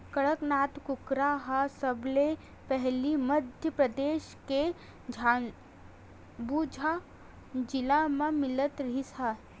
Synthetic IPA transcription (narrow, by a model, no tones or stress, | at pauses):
kəɭəknaːt̪kʊkɾaɦasəble | pɛɦliməd̪ʱjəpɾəd̪eːʃke | d͡ʒʱaːn | buːd͡ʒʱa | d͡ʒɪlamãmɪlət̪ɾɐɦisa